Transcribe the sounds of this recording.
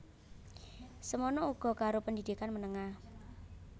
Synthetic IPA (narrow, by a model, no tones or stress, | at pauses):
səmɔnɔuɡ̥ɔ̤kaɾopəndid̪ikanmənəŋah